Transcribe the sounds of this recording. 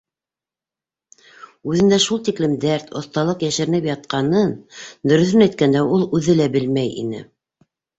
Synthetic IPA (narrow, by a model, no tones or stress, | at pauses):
ʉðɘ̆nd̪æʃulˠt̪iklɘmd̪æɾt̪ŏθt̪ɑlˠɤqjæʃɘ̆ɾɘ̆nɘpjɑt̪̚qɑnɤnd̪ɵ̆ɾɵ̆θɵnæjt̪̚kænd̪æulˠʉðɘlæbɘlmæjḭnɘ̰